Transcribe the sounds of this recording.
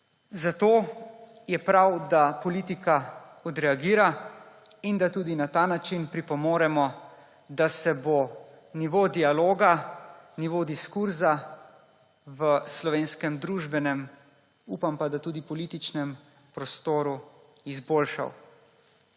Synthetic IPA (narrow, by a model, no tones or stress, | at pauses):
zat̪oː | jɛpɾawd̪apɔliːt̪ikaɔd̪ɾɛaɡiːɾa | ind̪at̪uːd̪inat̪aːnat͡ʃinpɾipɔmoːɾɛmɔ | d̪asɛbo | niʋod̪ialoːɡaniʋod̪iskuɾza | ʋəslɔʋeːnskɛmd̪ɾuːʒbɛnɛm | upampad̪at̪uːd̪ipɔlit̪it͡ʃnɛm | pɾɔst̪oːɾu | izboːlʃa̰w